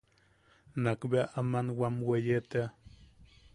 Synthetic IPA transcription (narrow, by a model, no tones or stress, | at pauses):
nakbeaʔamanwamwejet̪ea